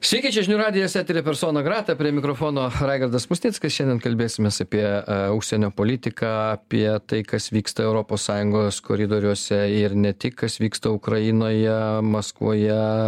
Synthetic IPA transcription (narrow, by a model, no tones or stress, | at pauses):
sʲʋʲiːkʲiːt͡ʃʲɛʒʲɪnʲuːɾɑːd̪ʲɪjoːsʲæːt̪ʲeɾʲepʲɛɾsoːnɐɡɾɑːt̪ɐpʲɾʲiɛmʲɪkɾoːfoːnoːɾɑɪɡɐrd̪ɐsmʊsʲnʲiːtskɐsʃɛndʲɛnkɐlʲbʲeːsʲɪmʲeːsɑpʲiɛuʃʲsʲɛnʲoːpoːlʲɪt̪ʲɪkɑːɐpʲiɛt̪ɐɪkɐsʋʲiːkst̪ɐɛʊɾoːpoːssɑːjʊŋɡoːsko̰ɾʲɪd̪oːɾʲuɔsʲɛɪɾnʲɛt̪ʲɪkkɐsʋʲiːkst̪ɐʊkɾɐɪnoːjɛmɐskʋṵjɛ